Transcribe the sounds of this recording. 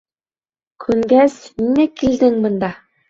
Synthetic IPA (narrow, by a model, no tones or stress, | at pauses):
kʰɵŋɡæsiŋækild̪ɘŋbɤ̆nd̪ɑ